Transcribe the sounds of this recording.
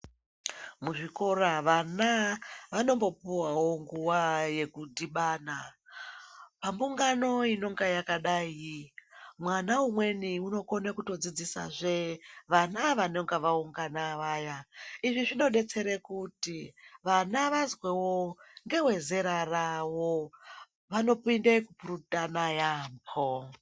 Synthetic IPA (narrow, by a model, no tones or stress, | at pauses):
muʐiko̞ɾaʋanaʋano̞mbo̞puwawo̞ŋɡuwaje̞kudiɓaːna | pambuŋɡano̞ino̞ŋɡajakaɗai | mwanaumwe̞niuno̞konakuto̞d͡zid͡zisa̰ʐeʋanaʋaneŋɡaʋauŋɡanaʋaːjaiʐiʐino̞ɗe̞t͡se̞ɾekutiʋanaʋazwewo̞ŋɡe̞we̞ze̞ɾarawo̞ | ʋano̞pindekupuɾutanajaːmpʰo